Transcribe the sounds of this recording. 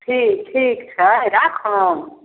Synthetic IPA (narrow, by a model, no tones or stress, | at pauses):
ʈʰiːk̚ʈʰiːkt͡ʃʰəɾakʰɔ̃